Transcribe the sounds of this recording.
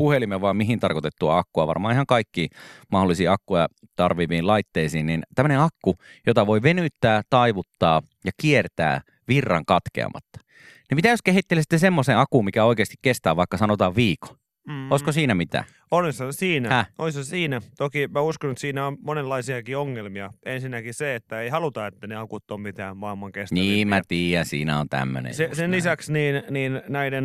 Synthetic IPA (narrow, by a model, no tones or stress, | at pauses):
puhelimːeʋɑːmiɦint̪ɑrkot̪et̪ːuɑ̰ɑkːuɑʋɑ̰rmɑ̰ːihɑŋkɑikːiːmɑholːˑisiːɑkːujɑ̰t̪ɑrʋiːʋiːlɑit̪ːeisiːnnint̪æmːøneɑkːujot̪ɑʋoiʋenyt̪ːæːt̪ɑiʋut̪ːɑː | jɑkiert̪æ̰ː | ʋirːɑ̰ŋkɑt̪kḛɑ̰mɑ̰t̪ːɑ̥ | nimit̪æjoskehit̪ːelesi̥t̪ːesemːoseːɑkuːmmikæoikeːst̪ikkest̪æːʋʋɑikːɑsɑnot̪ɑːʋʋiːko̥ | oˑiskosiːnæmit̪æ̰ː | olisɑsiːnæhæolisɑsiːnæt̪okimæuskonet̪siːnæonmonelːɑisiɑkioŋːelmiɑensinːækiseet̪ːæeihɑlut̪ɑet̪ːæneɑkut̪ːommit̪æːmmɑːmːɑŋkestniːmmæt̪iːjænsḭːnæo̰nt̪æ̰mːø̰nḛjsesenlisæksniːnniːnnæiden